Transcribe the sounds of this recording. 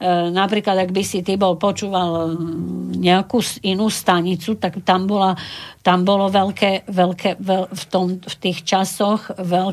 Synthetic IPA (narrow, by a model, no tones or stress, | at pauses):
napɾiːklad̪aɡbisit̪ibɔlpɔt͡ʃuːʋal | ɲɛakuːsinuːst̪aɲit͡sut̪aɡt̪ambɔlat̪ambɔlɔʋɛlkɛːʋɛlkɛʋɛft̪ɔmft̪iːxt͡ʃasɔxʋɛl